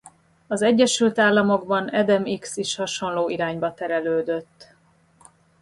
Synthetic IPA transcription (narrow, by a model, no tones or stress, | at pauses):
ɒzɛɟːɛʃylt̪aːlːɒmo̞ɡbɒnɛd̪ɛmiksiʃhɒʃo̞nloːiɾaːɲbɒt̪ɛɾɛløːd̪øt̪ː